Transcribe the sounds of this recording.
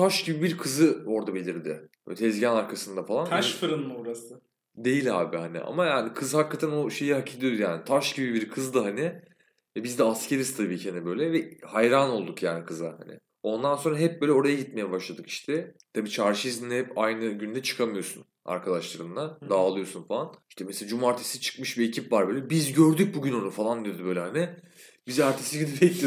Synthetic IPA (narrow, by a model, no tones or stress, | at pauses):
t̪ʰaʃɟibibiɾkʰɯzɯo̞ɾd̪abelʲiɾd̪ɪ̰ | t̪ʰɛzɟænaɾkʰasɯnd̪afalˠanʰʃfɯɾɯnmubuɾasɯ | d̪e̞jilʲha̰ːbɪhanɪ̰ʔa̰majaːnikʰɯzhakːat̪ʰænoʃe̞jiɦacʰilʲijod̪ujaːnɪt̪ʰaʃɟibibiɾkʰɯzd̪aɦanɪ | vɛbizd̪ɛascʰeɾist̪ʰabiːcʰianɛbø̞jlʲɛvɛhajɾano̞lˠd̪ukjaːnikʰɯzahanɪ̰ | o̞nd̪anso̞nɾaɦɛp̚bøːlʲɛo̞ɾajaɟit̪me̞jɛbaʃlˠad̪ɯki̥ʃt̪ʰɛt̪ʰabiːt͡ʃʰaɾʃizind̪ɛhɛpajnɯɟynd̪ɛt͡ʃʰɯ̥kʰamɯjo̞sun | a̰ɾkʰad̪aʃlˠaɾɯnd̪ad̪aːlˠɯjo̞sunfalˠaniʃt̪ʰɛmeselad͡ʒumaɾt̪ʰesit͡ʃʰɯ̥kmɯʃbiecʰipvaɾbøːlʲɛbizɟøɾd̪yc̚buɟyno̞nufalˠand̪ijod̪ybø̞jlʲɛɦanɪ | bizaɾt̪ʰesiɟid̪ibɛclʲi